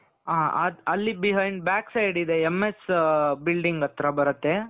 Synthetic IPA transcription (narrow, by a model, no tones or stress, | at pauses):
aːɐd̪ɐlːibiɦɐjɳɖ̚bjaːksɐjɖid̪e̞emːesbilɖiŋɡɐt̪ɾɐbɐɾɐt̪ːe̞